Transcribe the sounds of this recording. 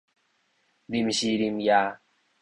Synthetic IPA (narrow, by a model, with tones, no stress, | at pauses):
ɾi˦mʃi˦ɾi˧mja˦